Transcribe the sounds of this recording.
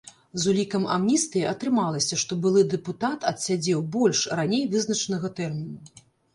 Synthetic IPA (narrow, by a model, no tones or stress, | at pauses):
zulʲikɐma̰mnʲist̪ɨjʔɐt̪ɾɨmalˠɐsʲɐʂt̪ɔbɨlˠɨd̪ɛput̪at̪ɐt̪sʲad͡zʲɛwbɔlʲʂranʲejvɨznɐt͡ʂɐnɐɣɐt̪ɛrmʲinu